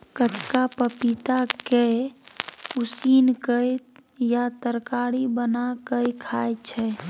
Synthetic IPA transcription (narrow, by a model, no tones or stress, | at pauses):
kət͡ʃkapəpit̪ake | usinkəjjat̪əɾkaɽibənakəjkʰajt͡ʃʰɛ